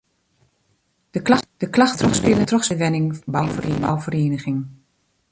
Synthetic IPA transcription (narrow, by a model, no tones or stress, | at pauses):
d̥əkd̥əklɑχtrɔχspɪlətrɔχsəʋɛnɪŋbawvəreːba̰wvəreːnəχɪŋ